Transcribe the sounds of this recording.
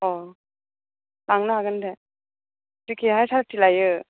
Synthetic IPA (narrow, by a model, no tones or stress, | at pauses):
ɔ | naŋnaaɡɯnde | dikʰiɦajsʰaɾak̚tilajɯ